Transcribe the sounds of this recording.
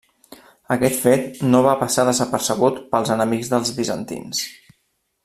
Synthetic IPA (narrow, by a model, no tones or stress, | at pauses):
əkɛt̪fet̪noβapəsaðəzəpəɾsəɣ̞ut̪pəlˠzənəmikɡzðəlˠzβizə̰nt̪ḭns